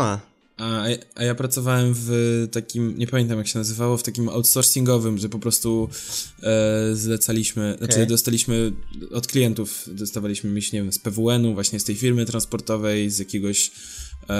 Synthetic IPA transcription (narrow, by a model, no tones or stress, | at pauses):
a | aajapɾat̪sɔvawɛmvt̪akʲimɲɛpamʲjɛnt̪amjakɕɛnazɘvawɔft̪akʲima̰wt̪sɔɾsʲiŋɡɔvɘmʐɛpɔpɾɔst̪u | zlɛt̪salʲiɕmɘnat͡ʂɘd̪ɔst̪alʲiɕmɘɔt̪klʲijɛnt̪ufd̪ɔst̪avalʲiɕmɘmʲit͡ɕɲɛvʲɛmspɛvuɛnuvwaɕɲɛst̪ɛjfʲiɾmɘt̪ɾanspɔɾt̪ɔvɛjzʲjakʲeɡɔɕ